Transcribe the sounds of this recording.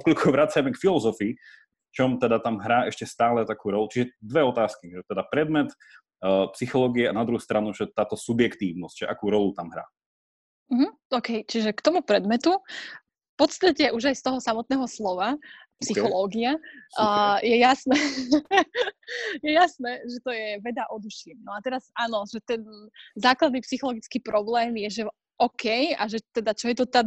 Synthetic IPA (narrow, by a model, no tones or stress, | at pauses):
klukʰɔʋɾat͡sajmɛkfilɔzɔfiː | ft͡ʃɔmt̪ɛd̪at̪amɦɾaːɛʃcɛst̪aːlɛt̪akuːɾɔlut͡ʃiʒɛd̪ʋɛɔt̪aːskiʒɛt̪ɛd̪apɾɛd̪mɛt̪ː | psixɔlɔːɡiɛanad̪ɾuɦust̪ɾanuʒɛt̪aːt̪ɔsubjɛkt̪iːʋnɔscʒɛʔa̰kuːɾɔlut̪amɦɾa̰ː | m̩ɦm̩ɔːkɛjt͡ʃiʒɛkt̪ɔmupɾɛd̪mɛt̪u | pɔt͡st̪acɛʔuʒajst̪ɔɦɔsamɔt̪nɛːɦɔslɔʋa | psixɔlɔːɡia | jɛjasnɛː | jɛjasnɛːʒɛt̪ɔjɛʋɛd̪aʔɔd̪uʃimnɔat̪ɛɾazaːnɔʒɛt̪ɛnzaːklad̪̚niːpsixɔlɔɡit͡skiːpɾɔblɛːmjɛʒɛ | ɔkɛjaʒɛt̪ɛd̪at͡ʃɔjɛt̪ɔt̪a